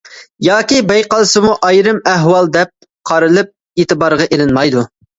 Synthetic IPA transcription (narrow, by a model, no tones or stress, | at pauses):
jɑːkʲibɛjqɑlˠɨsɨmuʔɑjɾɨmæɦwɑlˠd̪ɛp̚ | qʰɑɾɨlˠɨp̚ | eːt̪ɨbɑɾʁɑʔelɪnmɑjd̪u